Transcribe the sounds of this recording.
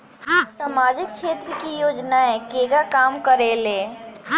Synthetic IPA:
samaːd͡ʒɪk̚ʃʰeːt̪ɾəkijoːd͡ʒnaɛ̃keːɡakaːmkəɾeːle

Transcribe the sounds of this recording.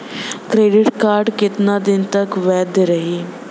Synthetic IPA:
kɾeːɖɪʈkaːɾɖkɪt̪nãːd̪ɪnt̪əkʋɛːd̪ɾəɦiː

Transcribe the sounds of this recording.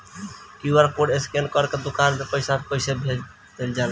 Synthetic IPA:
kiuaɾkoɖeskenɖkɔɾked̪okanmepəjsabkoɪsebʱe | d̪̥eld͡ʒal

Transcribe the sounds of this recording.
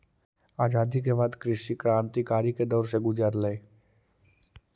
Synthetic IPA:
aːd͡ʒaːd̪ikeβaːd̪kɾɪʃikɾaːnt̪ikaːɾiked̪ɔːɾseɡʊd͡ʒəɾləe

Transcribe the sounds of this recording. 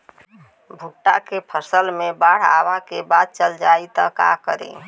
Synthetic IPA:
bʱuʈːa̰kepʰəsəlmebaɽ̤a̰bakebad̪̚t͡ʃəld͡ʒait̪ɔ̰ka̰kəɾḭ

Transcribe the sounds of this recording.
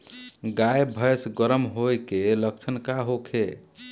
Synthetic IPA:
ɡajbʱəjsɡəɾəmɦojkeləkt͡ʃʰənkaɦokʰe

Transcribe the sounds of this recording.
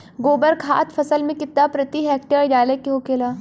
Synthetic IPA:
ɡoːbəɾkʰa̰ːt̪fʰɐsəlmẽkɪt̪ːapɾɐt̪iɦɛːk̚ʈəɾjaːlekeɦokeːlaː

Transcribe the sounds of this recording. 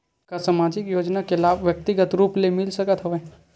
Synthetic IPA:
kasamaːd͡ʒɪkjoːd͡ʒnakelaːbʋjək̚t̪ɪɡət̪ɾuːplemɪlsəkət̪ɦəʋe

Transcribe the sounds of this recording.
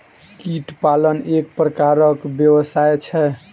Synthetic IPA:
kiʈpalənek̚pɾəkaɾəkbjəwəsajt͡ʃʰɛ

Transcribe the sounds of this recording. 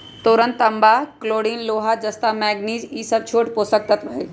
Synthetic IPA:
t̪oːɾə̃nt̪ɐmbaːkloːɽiːnloːɦad͡ʒɐst̪aːmɛːɡniːziːsɐb̚t͡ʃʰoːʈpoːsɐk̚t̪ɐt̪bʱɐeː

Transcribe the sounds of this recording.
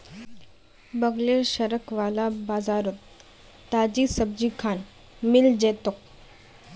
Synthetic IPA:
bəɡleɾɕəɾəkʋalabad͡zaɾut̪ː | ad͡ʑisəb̚d͡ʑiːkʰan | mild͡ʑet̪ok̚

